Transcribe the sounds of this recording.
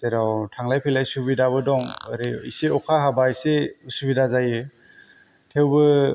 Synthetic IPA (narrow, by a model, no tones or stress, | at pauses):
zeɾawtʰaŋlajpʰilajsubidaβɯdɔŋaɾiḭseɔkʰaɦabajseusubidazaje | tʰewbɯ